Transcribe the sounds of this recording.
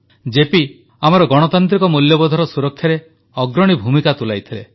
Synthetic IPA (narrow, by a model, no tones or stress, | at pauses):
d͡ʒepi | amɔɾɔɡɔɽ̃ɔt̪ant̪̬ɾikɔmuljɔbɔd̪ʱɔɾɔsuɾɔk̚t̪ʰaɾe | ɔɡɾɔɽ̃ibʱumikat̪ulajt̪ʰile